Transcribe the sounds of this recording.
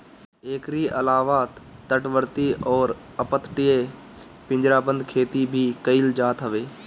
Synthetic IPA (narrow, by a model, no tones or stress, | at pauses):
eːkɾiːəlaːʋaːt̪t̪ːəʈʋəɾt̪iɔːɾ | əpət̪ʈije | pɪ̃ɲd͡ʒɾaːbə̃nd̪kʰeːt̪ibʱikəɪld͡ʒaːt̪ɦəʋeː